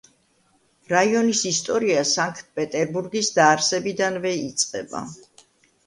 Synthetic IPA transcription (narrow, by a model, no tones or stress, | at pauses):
ɾaiɔnisist̪ʼɔɾiasaŋkʰt̪̚ʰpʼɛt̪ʼɛɾbuɾɡisd̪aːɾsɛbid̪anvɛit̪sʼqʼɛba̰